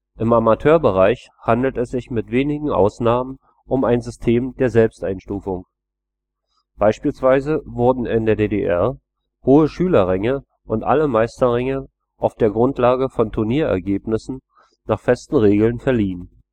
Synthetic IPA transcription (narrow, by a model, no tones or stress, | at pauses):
ʔɪmamatʰøːɐbəʁaɪçhandl̩tɛsz̥ɪçmɪtv̥eːnɪɡŋ̩ʔa̰ʊsnaːmən | ʔʊmaɪnzʏstʰeːmdeːɐzɛlpstʔaɪnʃtuːfʊŋ | b̥aɪʃpiːlsv̥aɪzəvʊɐdn̩ɪndeːɐdeːdeʔɛɐ | hoːəʃyːlɐʁɛŋə | ʔʊntʔa̰ləmaɪstɐʁɛŋə | ʔaʊfd̥eːɐɡʁʊntʰlaːɡəfɔntʰʊɐniːɐɛ̰ɐɡeːpnɪsn̩ | naːχfɛstn̩ʁeːɡl̩nfɛɐliːən